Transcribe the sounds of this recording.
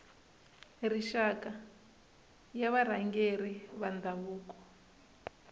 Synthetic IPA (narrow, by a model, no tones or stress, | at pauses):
riʃaka | jaβaɾ̤aŋɡeɾiβand̪aβuːkɔ̥